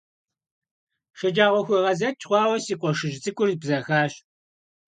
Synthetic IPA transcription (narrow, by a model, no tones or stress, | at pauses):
ʃɐd͡ʒaːʁʷɔxʷʊʁɐzɐt͡ʃʰʼχʷɑːwɐsiːqʷʼɔʃɪʒt͡sʼɨkʷʼʊrbzɐxaːɕ